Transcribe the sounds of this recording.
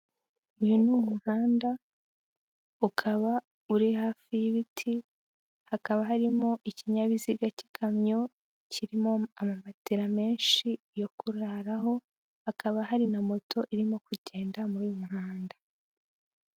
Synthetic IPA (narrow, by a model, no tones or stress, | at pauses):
ujunumuhaːnda | ukʰaβa | uɾihaːfijiβitʰi | hakaβaɦaɾimo̞ʔiciɲaβiziɡacikʰamɲo̞ | ciɾimo̞amamatiɾame̞ːnʃi | jo̞kuɾaɾaɦo̞ | hakaβaɦaɾinamo̞tʰo̞ʔiɾimo̞kuɟe̞ːndamuɾujumuɦaːndḁ